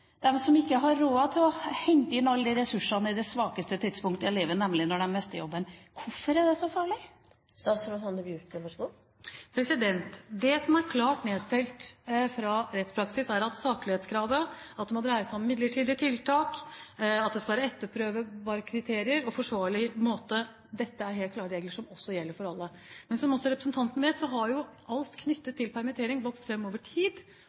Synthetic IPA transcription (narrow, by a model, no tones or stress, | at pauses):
d̪̥ɛnsɔmɪkːəɦɑɾːoːɑt̪ʰɪlɔhɛŋt̪əɪnɑlːəd̪ɪɾɛsʉʂɑnəɪd̪ɛsʋɑːkəst̪ət̪ʰɪd̪spʊŋkt̪əɛleːʋənɛmlɪnɔɖɛnmɛst̪əjɔ̰bːənkʰʊfːɔɾæd̪ɛsɔfɑːɭɪ | st̪ɑːt̪sɾɔsɑnd̪əbjʉt̪əʋɑʂɡu | pʰɾɛsɪd̪ɛnt̪d̪ɛsɔmæɾkʰlɑːʈneːd̪fɛlt̪fɾɑɾɛt̪spʰɾɑksɪsæɾɑt̪sɑːklɪheːt̪skʰɾɑːʋəɑt̪̚d̪ɛmɔd̪ɾæɪəsæɔmmɪd̪ləʈʰiːd̪ɪət̪ʰɪlt̪ʰɑːk | ɑt̪̚d̪ɛskɑlʋæːɾəɛt̪ːəpʰːɾøːʋəbɑːɾəkʰɾɪt̪ʰeːɾɪəɾɔfɔʂʋɑːɭɪmoːt̪ə | d̪ɛt̪ːəæɾɦeːlklɑːɾəɾeːɡləʂɔmɔsːɔjɛlːəɾfɔɾɑlːəmɛnsɔmɔsːɔɾɛpɾəsn̩t̪ʰɑnt̪ənəʋeːt̪sɔɦɑɾjʊʔɑlt̪kʰnʏt̪ːət̪ʰːɪlpʰæɾmɪt̪ʰeːɾɪŋʋɔkst̪fɾɛmːoːʋəʈʰiːd̪